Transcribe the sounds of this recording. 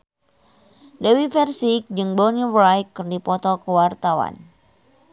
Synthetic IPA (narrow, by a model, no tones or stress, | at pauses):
dewifɛrsik̚d͡ʒɨŋbɔnibɾajkːɨrdipɔt̪ɔkəwart̪awa̰n